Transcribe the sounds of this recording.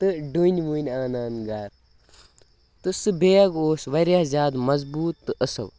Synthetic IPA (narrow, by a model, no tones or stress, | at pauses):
t̪ɨɖunʲʋunʲaːnaːnɡaːɾ | t̪ɨsɨbeːɐɡoːsʋɐɾjaːzʲjaːd̪mɐzbuːt̪ːɨʔɐsɐ̰w